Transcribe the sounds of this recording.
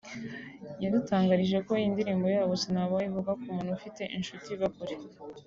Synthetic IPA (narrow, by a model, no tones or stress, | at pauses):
jadutaːŋɡaɾiʒe̞ko̞jindiɾiːmbo̞jaːβosinhaβoaivuɡakumuːnhufite̞ʔinʃutiβakuɾe